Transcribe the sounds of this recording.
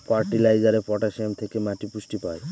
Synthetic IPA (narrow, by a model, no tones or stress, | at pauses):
paɾʈilajd͡ʒaɾepɔʈasemt̪ʰekemaʈipusʈipaj